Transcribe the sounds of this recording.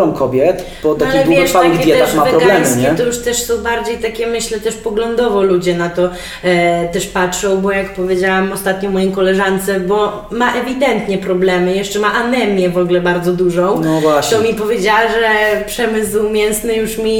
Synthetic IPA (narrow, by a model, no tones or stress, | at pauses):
ɔ̃wkɔbʲjɛt̪ | b̥ɔt̪aakaiɛvʲjɛʂfaawɨɣd̪jɛt̪ɛaxmavɛpɾɔɡalɛmɲɛɛt̪ɔjuʂt̪ɛʂsɔ̃w̃baɾd͡ʑejt̪akʲɛmɘɕlɛt̪ɛʂpɔɡlɔnd̪ɔvɔlud͡ʑɛnat̪ɔ | t̪ɛʂpatʂɔ̃w̃bɔjakpɔvʲjed͡ʑawamɔst̪at̪ɲɔmɔjĩkɔlɛʐant̪sɛbɔ | maʔɛvʲid̪ɛnt̪ɲɛpɾɔblɛmɘjɛʂt͡ʂɛmaʔanɛmʲjɛvɔɡlɛbaɾd̪zɔd̪uʐɔ̃w̃nɔvwaɕt̪ɔmʲipɔvʲjed͡ʑawaʐɛpʂɛmɘswmʲjɛnsnɨjuʂmʲi